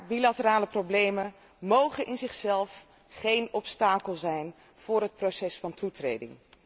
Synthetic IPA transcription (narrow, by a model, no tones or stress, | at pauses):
bilatəraːləprowblejmən | mowχənʔɪnzɪχsɛlˠf | χejnɔpstaːkəlˠzɛjn | v̥ʊːɾɦət̚prowsɛsfɑntʰutrḛjdɪ̰ŋ